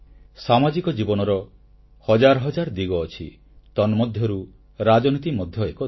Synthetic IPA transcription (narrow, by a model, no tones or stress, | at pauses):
samad͡ʒikɔd͡ʒibɔnɔɾɔ | hɔd͡ʒaɾɔɦɔd͡ʒaɾd̪iɡɔːt͡ʃʰḭ | t̪ɔnmɔd̪ʱjɔɾu | ɾad͡ʒɔnit̪imɔd̪ʱjɔekɔ